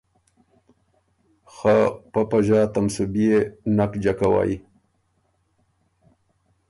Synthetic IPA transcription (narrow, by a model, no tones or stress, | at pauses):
xapapaʑaːt̪amsubijenakd͡ʑakawa̰ːji